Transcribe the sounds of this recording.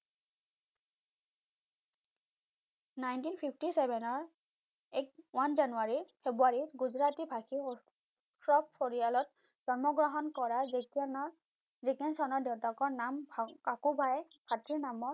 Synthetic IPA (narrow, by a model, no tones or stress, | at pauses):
najntinpʰipʰtisɛbʱɛnɔɹ | ɛkwanzanuaɹiɹfʰebuaɹiɹɡuzɹatibʱakʰi | sɹɔp̚pʰɔɹijalɔt̚ | d͡ʒɔɹmɔɡɹɔɦɔnkɔɹazkn | zekansɔnɔɹdewtakɔɹnamkakubʱajb̥ʰʱatʰiɹnamɔ